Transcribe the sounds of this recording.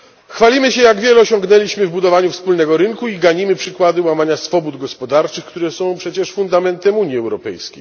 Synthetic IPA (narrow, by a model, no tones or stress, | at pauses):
xfalʲimɘɕɛjaɡvʲjɛlɛɔɕɔ̃ŋɡnɛlʲiɕmɘvbud̪ɔvaɲufspulnɛɡɔɾɘŋkuiɡaɲimɘpʂɘkwad̪ɘwamaɲasfɔbud̪ɡɔspɔd̪aɾt͡ʂɘxkt̪uɾɛsɔ̃w̃pʂɛt͡ɕɛʂfund̪amɛnt̪ɛmuɲjiɛwɾɔpɛ̰jskʲḛj